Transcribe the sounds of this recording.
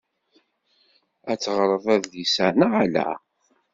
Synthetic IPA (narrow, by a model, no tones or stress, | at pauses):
æt͡sːʁɾˤəðˤæððisænəælæ̰